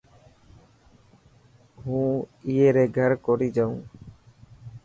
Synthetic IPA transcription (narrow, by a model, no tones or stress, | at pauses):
ɦũːieːɾeːɡʱəɾkoɾiːd͡ʒaũː